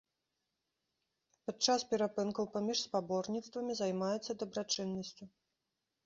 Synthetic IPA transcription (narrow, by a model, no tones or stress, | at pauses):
pat͡ʂaspʲɛɾapɨnkɐwpamʲiʂspabɔrnʲit̪st̪vɐmʲizajmajɛt̪sːɐd̪ɐbɾat͡ʂɨnːɐsʲt͡sʲu